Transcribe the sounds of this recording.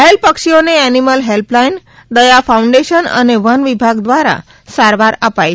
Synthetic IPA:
ɦelpəkʂijoneɛniməlɦelplain | d̪əjafauɳɖeʃənə̰neʋənʋibʱaɡd̪ʋaɾa̰ | saɾʋaɾapaj

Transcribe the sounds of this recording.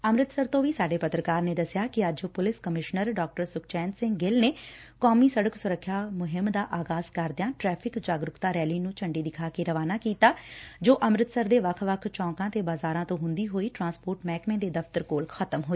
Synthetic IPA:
əmɾɪt̪səɾt̪õːʋiːsaːɖeːpət̪ɾəkaːɾneːd̪əsjaːkɪəd͡ʒopʊlɪskəmɪʃnəɾɖɔːk̚ʈəɾsʊk̚ʰt͡ʃɛːnsɪ̃ŋɡɡɪlneːkɔːmiːsəɽəksʊɾəkʰːjaːmʊɦɪmd̪aːʔaːɡaːzkəɾd̪ɪjãːʈɾɛːpʰɪkd͡ʒaːɡɾʊkt̪aːɾɛːliːnũːt͡ʃʰəɳɖiːd̪ɪkʰaːkeːɾəʋaːnaːkiːt̪aːd͡ʒoːʔəmɾɪt̪səɾd̪eːʋəkʰʋəkʰt͡ʃɔ̃ːŋkãːt̪eːbaːzaːɾãːt̪õːɦʊ̃nd̪iːɦoːiːʈɾãːnspoːɾʈmɛːkmẽːd̪eːd̪əft̪əɾkoːlxʰət̪əmɦoːiː

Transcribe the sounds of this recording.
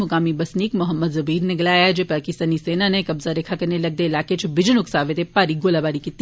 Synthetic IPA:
mʊkaːmibɐsniːkmʊɦəmːəd̪zɐbiːɾnɪɡlaːjad͡ʒepaːkɪst̪aːniseːnanekɐbzaɾekʰakɐɾnelɐɡ̚d̪eːɪlaːket͡ʃʰbɪd͡ʒənʊksaːʋet̪epaːɾiɡoːlabaːɾikit̪ː

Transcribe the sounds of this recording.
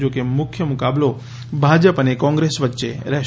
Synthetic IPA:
d͡ʒokemʊkʰjəmʊkablo | bʱad͡ʒəpənekɔ̃ŋɡɾesʋətːʃḛɾɛ

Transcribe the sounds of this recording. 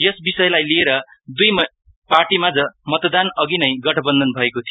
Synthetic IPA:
jʌsbisʌjlajlieɾʌ | d̪ujm | parʈimad͡zʌmʌt̪d̪anʌɡinʌjɡʌʈʰʌbʌnd̪ʱʌnbʱʌekot̪ʰij

